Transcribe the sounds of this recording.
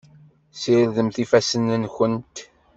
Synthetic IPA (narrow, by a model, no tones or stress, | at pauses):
siɾðəmθifæsənːənçənt̪